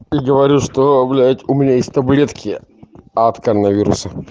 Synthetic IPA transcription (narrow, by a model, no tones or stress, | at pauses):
iɡəʋɐɾʲuʂt̪ovlʲajt̪ʲʊmʲɪnʲajesʲtʲt̪ɐblʲet̪kʲɪɐt̪kəɾənɐvʲiɾʊ̰sə